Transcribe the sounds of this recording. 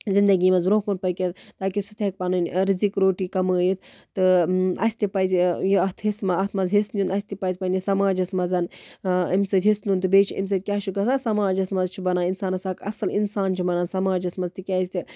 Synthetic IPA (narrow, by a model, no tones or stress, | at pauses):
zind̪ɐɡiːmɐzɾoːkunpɐkʲet̪t̪aːkisɨt̪ʰek̚panɨnʲɾizikɾoːʈiːkɐməːjit̪t̪ɨɐ̰sʲt̪ʲipɐzʲjiɐɦt̪ʰɦismɐɐt̪ʰmɐzɦisnʲunɐsʲt̪ipɐzʲpɐnisɐmaːd͡ʒɐsmɐzɐnimsɐt̪ʲɦisnunt̪ɨbeːt͡ʃʰḭms̬ɐt̪̚ʲkʲaːt͡ʃʰikɐsaːsɐmaːd͡ʒɐsmɐzt͡ʃʰibɐnaːinsaːnɐsaːkɐ̰sɐlinsaːnt͡ʃʰibɐnaːnsɐmaːd͡ʒɐsmɐzt̪ikʲaːisʲt̪ʲi